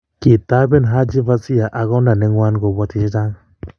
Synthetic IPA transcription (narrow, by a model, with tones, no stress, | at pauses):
ki˨ta˦be˦nɦa˦d͡ʒi˦va˦si˦ja˨ʔa˨ɣɔ˦nda˨nɛ˦ŋwa˦nɡo˨bɔ˦tɪ˨d͡ʒi˦ta˦ŋ˨